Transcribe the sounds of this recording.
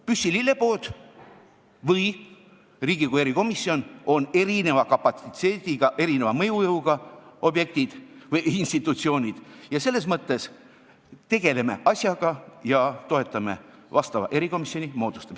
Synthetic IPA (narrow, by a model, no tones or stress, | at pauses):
pysːililːe̞poːt̪ | vɯj | riːɡ̥ikuje̞ɾiko̞misːio̞no̞ne̞ɾine̞vɑkɑpɑt̪sit̪e̞ːt̪iɡ̥ɑʔe̞ɾine̞vɑmɤjujɤuɡ̥ɑo̞bje̞k̚t̪id̪̥vɯjinst̪it̪ːˑut̪sio̞ːnʲid̪̥jɑse̞lːe̞s̬mɤt̪ːe̞s | t̪e̞ɡ̥e̞le̞me̞̰ʔɑsʲjɑɡ̥ɑjɑt̪o̞e̞t̪ːˑɑme̞̰ | vɑst̪ɑvɑ̰ʔe̞ɾiko̞misːo̞nʲimo̞ːd̪̥ust̪ɑm